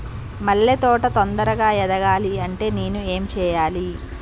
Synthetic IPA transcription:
mɐɭːet̪ɔːʈɐt̪ond̪ɐɾɐɡaːjɛd̪ɐɡaːliɐɳʈe̞ːneːnue̞ːmt͡ʃɛːjaːli

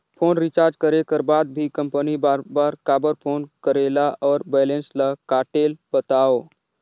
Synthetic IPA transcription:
pʰoːnɾit͡ʃaːɾd͡ʒkəɾekəɾbaːd̪̚bʱikə̃mpənibaɾbaːɾkaːbəɾpʰoːnkəɾeːlaɔːɾbɛːlẽːnslakaːʈeːlbət̪aːoː

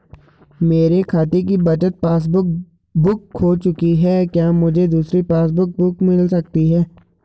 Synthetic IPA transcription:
meːɾekʰaːt̪ek̬ibɐt͡ʃət̪̚paːs̬bʊk̚ | bʊkɦoːt͡ʃʊkiɦɛːkjaːmʊd͡ʒʱed̪uːsɾipaːs̬bʊk̚bʊkmɪlsɐk̚t̪iɦɛː

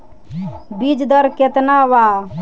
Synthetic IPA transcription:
bid͡ʒd̪əɾket̪nawa

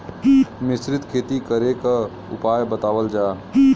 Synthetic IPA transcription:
mɪsɾɪt̪kʰeːt̪ikəɾeka | ʊ̰paːjbət̪aːʋəld͡ʒaː

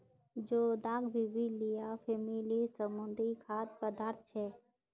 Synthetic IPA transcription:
d͡ʒoːd̪aːɡbʱibilɪjafʰeːmilisəmʊ̃nd̪ikʰaːt̪pəd̪aːɾt̪̚ʰt͡ʃʰɛː

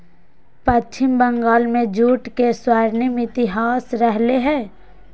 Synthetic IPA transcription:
pətːt͡ʃʰɪmbəŋɡaːlmẽd͡ʒuːʈkeswaːɾnimɪt̪ɪɦaːsɾəɦleɦɛ̃ː

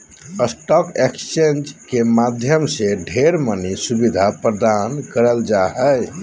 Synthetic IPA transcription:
əsʈɔkekst͡ʃend͡ʒkemad̪ʱjəmseɖʱeɾmənisubid̪ʱapɾəd̪ankəɾəld͡ʒaɦəj

